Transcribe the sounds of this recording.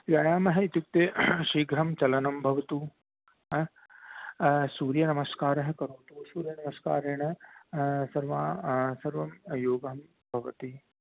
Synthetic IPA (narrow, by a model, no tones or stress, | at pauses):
jaːjaːmɐɦɐit̪juk̚t̪eʃiːɡɾɐmt͡ʃɐlɐnɐmbʱɐʋɐt̪u | suːɾjɐnɐmɐskaːɾɐɦɐkɐɾuːt̪usuːɾjɐnɐmɐskaːɾeːɳ̃ɐ | sɐɾʋaːsɐɾʋɐmjoːɡɐm | bʱɐʋɐt̪i